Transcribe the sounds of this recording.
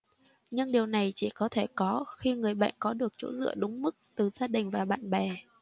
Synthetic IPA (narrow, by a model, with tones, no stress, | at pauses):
ɲɨ˧ŋɗi˨˩əwna˨˩jt͡ɕi˧˩kɔ˨˦t̪ʰe˧˩kɔ˨˦xi˧ŋɨ˨˩əjɓa̰ː˧˨nkɔ˨˦ɗɨ˨˩ək̚t͡ɕo̰˧˥zɨ̰˧˨əɗʊ˨˦ŋ͡mmɨ˦˥k̚t̪ɨ˨˩zaː˧ɗï˨˩ŋ̟vaː˨˩ɓa̰ː˧˨nɓɛ˨˩